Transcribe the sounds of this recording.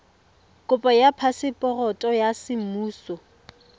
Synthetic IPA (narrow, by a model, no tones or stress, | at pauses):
kʼʊpʼɔjapʰasɪpʼɔrɔtʼɔjasɪm̩muːsɔ